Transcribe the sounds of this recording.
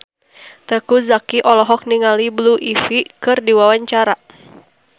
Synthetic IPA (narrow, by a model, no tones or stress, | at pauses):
t̪əkuzakiʔɔlɔɦɔk̚niŋalibluʔifikɨrdiwawaɲt͡ʃaɾa